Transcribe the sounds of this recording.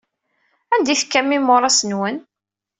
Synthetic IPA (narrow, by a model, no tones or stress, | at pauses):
ænd̪iθə̥kːæmːimoɾˤɑsənwən